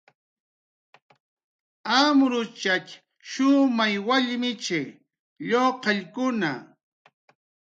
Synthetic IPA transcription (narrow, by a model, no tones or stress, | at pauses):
amɾʊt͡ʃak | ʃʊmajwaʎmɪt͡ʃe | ʎoqɑʎkʊna̰